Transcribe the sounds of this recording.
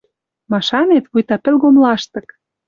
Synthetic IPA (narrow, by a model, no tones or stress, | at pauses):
mɑʃɑnet̪βujt̪ɑpɘ̆lɣomlɑʃt̪ɤ̆k